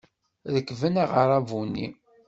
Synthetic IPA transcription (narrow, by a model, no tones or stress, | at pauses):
ðəkːvənaʁəɾˤɑvunːḭ